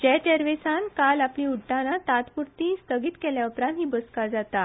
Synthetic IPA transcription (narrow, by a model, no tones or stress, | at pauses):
d͡ʑɛʈeɾʋesãnkalapliuɽʈːanat̪at̪puɾt̪ist̪əɡiːt̪kɛljaupɾãnt̪ɦiːbəskad͡zat̪a